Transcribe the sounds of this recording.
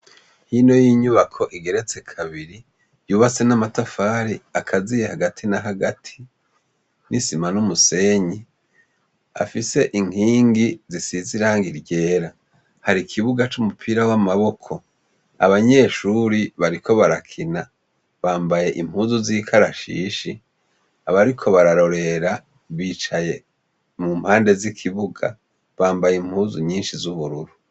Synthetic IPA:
hino̞jiːɲuβakʰo̞ʔiɡe̞ɾe̞t͡se̞kʰaβiɾi | juːβat͡se̞namatafaːɾiakʰazijehaɡatʰinaɦaɡatʰi̥ | nisimanumuse̞ːɲi | a̰fise̞ʔiŋ̥iːŋɡizisiziɾaːŋɡiɾɟe̞ːɾa | haɾikʰiβuɡat͡ʃumupʰiɾawamaβo̞kʰo̞ | a̰βaɲe̞ʃuːɾiβaɾiko̞βaɾakʰina | βaːmbaje̞ʔim̥huːzuziːkʰaɾaʃḭːʃi | aβaɾikʰo̞βaɾaɾo̞ɾe̞ɾa | βiːt͡ʃaje̞ | mumhaːnde̞zikʰiβuɡa̰ | βaːmbajim̥huːzuɲiːnʃizuβuɾuɾu

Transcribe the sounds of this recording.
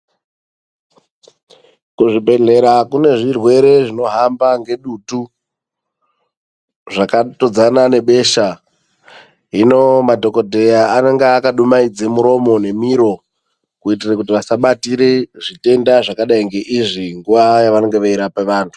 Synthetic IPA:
kuʐibʱe̞ɮe̞ɾakune̞ʐirwe̞ɾe̞ʐino̞ɦambaŋɡe̞ɗutu | ʐakatod͡zanane̞ɓe̞ːʃa | ɦino̞madʱo̞ko̞dʱe̞jaːneŋɡeakaɗumaid͡zemuɾo̞mo̞ne̞miɾo̞ | kuit̬irakutiʋasaɓatiɾeʐite̞ndaʐakaɗaiŋɡe̞ʔiʐiŋɡuʋajaʋano̞ŋɡeʋaiɾapeʋaːntʰu̥

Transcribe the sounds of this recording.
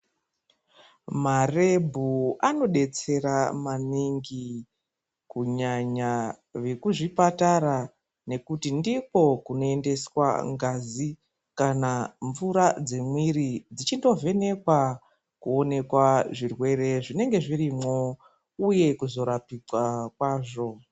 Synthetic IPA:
mare̞bʱuano̞ɗe̞t͡se̞ɾamaniŋɡi | kuɲaɲa | ʋe̞kuʐipataɾa | ne̞kutindiko̞kuno̞e̞nde̞swa̰ŋɡazi | kanaɱvuɾad͡ze̞mwiɾid͡zit͡ʃindo̞ve̞ne̞kwa | kuo̞ne̞kwaʐirwe̞re̞ʐine̞ŋɡe̞ʐirimo | uje̞kuzo̞ɾapikwakwaːʐo̞

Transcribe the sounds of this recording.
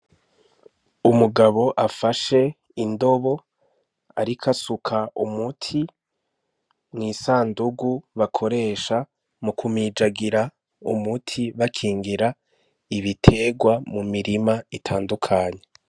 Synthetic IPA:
umuɡaβo̞ʔafaʃe̞ | indo̞βo̞ | a̰ɾikʰasukʰaʔumutʰi | mŋiːsaːnduɡuβakʰo̞ɾe̞ːʃa | mukʰumid͡ʒaɡiɾa | ṵmutʰiβakʰiːŋɡiɾa | iβitʰe̞ːɡwamumiɾimaitʰaːndukʰaːɲe̞

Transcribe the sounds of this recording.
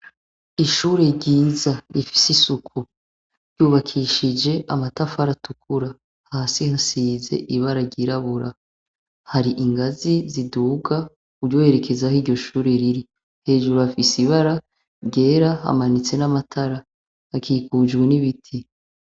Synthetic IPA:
iʃuːɾe̞ɟiːzaɾifi̥sisukʰu | ɾɟuːβakʰiʃid͡ʒe̞ʔamatafaɾatukʰuɾa | haːsihasiːze̞̰ʔiβaɾaɾɟiɾaβuɾa | haɾiʔiŋɡaziziduːɡa | ubɟo̞e̞ɾe̞kʰe̞zahiːɾɟo̞ʃuːɾe̞ɾiɾi | he̞ːʒuɾuafisiβaɾa | ɾɟe̞ːɾaha̰manit͡se̞namatʰaɾa | hakiːkuːd͡ʒɡweniβitʰi

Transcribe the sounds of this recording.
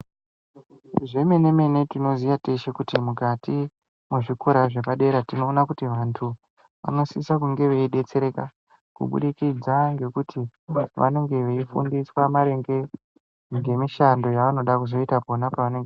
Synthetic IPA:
ʐe̞mene̞me̞ne̞tino̞zijateʃekutimukati | muʐikoɾaʐe̞paɗe̞ɾatino̞ːnakutiʋantʰu | ʋa̰no̞siisakuŋɡe̞ʋeiɗe̞t͡se̞ɾe̞ka̰ | kṵɓṵɗikid͡zaŋɡe̞kutʰiʋa̰no̞ŋɡe̞ʋeifṵndiswamaɾe̞ŋɡe̞ | ŋɡe̞miʃando̞jaʋano̞ɗakuzo̞itapo̞napaʋaneŋɡe

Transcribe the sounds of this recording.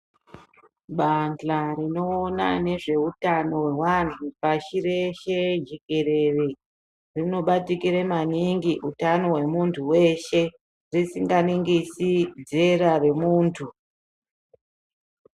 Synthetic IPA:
ɓanɬarino̞ːna̰ne̞ʐe̞utano̞we̞wantʰupaʃiɾe̞ʃed͡ʒekeɾe̞re | rino̞ɓatikiɾemaniŋɡiʔutano̞we̞muntʰuwe̞ʃe̞ | risiŋɡaniŋɡisid͡ze̞ɾare̞muːntʰu

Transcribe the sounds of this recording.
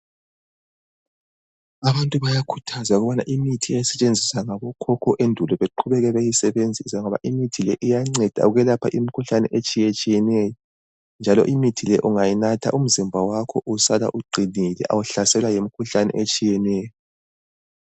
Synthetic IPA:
aβantʼuβajakʰu̥tʰazauɣuβana̰ʔimitʰiɛsɛt͡ʃʼend͡zʱisaŋaβɔkʰɔkʰɔʔendʱulɔβeǃʰuβɛɣɛβejisɛβend͡zʱisaŋɔβa̰ʔimitʰilɛʔijaŋ͡ǀɛd̥ʱa̰uɣɛlapʰaʔimikʰuɬanɛ̰ʔet͡ʃʼijɛt͡ʃʼijɛnɛjɔ | nd͡ʒʱalɔ̰ʔimitʰilɛʔuŋajinatʰa̰ʔum̩zimbʱawakʰɔʔusala̰ʔuɡ͡ǃʱinilɛ̰ʔa̰wuɬasɛlwajemikʰuɬanɛ̰ʔet͡ʃʼijɛnɛːjɔ

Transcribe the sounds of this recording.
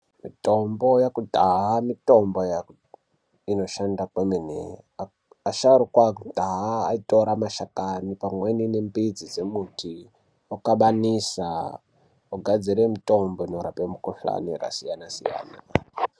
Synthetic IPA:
mitombo̞jakutaɦamito̞mbojak | ino̞ʃandakweminḛ | a | aʃaɾukwakutʼaɦaːitoɾamaʃakanipamweninembid͡zid͡zemuti | okaɓanisa̰ | uɡʱad͡ziɾemitomboinoɾapemukuɬa̰niɾa̰sijanasḭja̰ːnaa

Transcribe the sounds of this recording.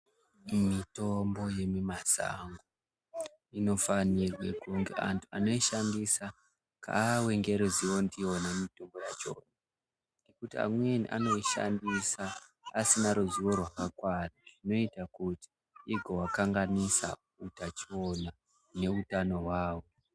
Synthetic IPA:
mito̞mbo̞je̞mimasa̰ŋɡo | ino̞fanirwekuŋɡe̞̰ʔa̰ntʰuano̞iʃandisa | kʰa̰weŋɡe̞ɾuzio̞ndionamito̞mbo̞jat͡ʃo̰ːna | nekutia̰mwenḭʔa̰no̞iʃa̰ndisaː | sinaɾuziwo̞rwakakwanaʐino̞itakuti̥ | iɡʱo̞wakaŋɡanisa̰ | utat͡ʃo̞na | ne̞utano̞waːwo̞

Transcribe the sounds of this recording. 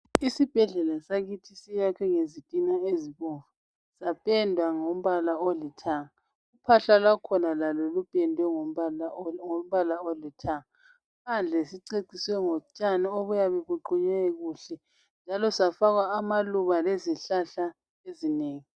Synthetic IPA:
isib̥ʱɛɮɛlasaɣitʰisijakʰɛŋezitʼinaeziβuvu | sapʼɛndʱwaŋom̩βalaolitʰaŋ̩ | upʰaɬalwakʰɔnalalɔlub̥ʱʼɛndʱwɛ | ŋom̩βalaolitʰaŋ | pʰand͡ɮʱɛsiǀeǀiswɛŋot͡ʃʼanioβujaβɛβuǃuɲɛɣuːɬɛ | nd͡ʒʱalɔsafaɣwaːmaluβaleziɬaɬa | ezineːŋi

